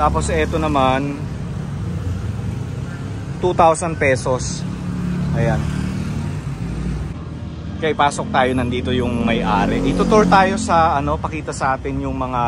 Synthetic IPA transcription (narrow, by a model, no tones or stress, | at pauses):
t̪aːpo̞sʔɛt̪o̞nɐman | t̪ut̪awsɐn̚pɛːso̞s | ʔɐjan | kɐʔɪpaːsok̚t̪aːjo̞nɐnd̪iːt̪o̞jʊŋmɐjʔaːɾɛʔɪt̪ʊt̪oɹt̪aːjo̞sɐʔɐno̞pɐkiːt̪ɐsɐʔaːt̪ɪnjʊŋmɐŋa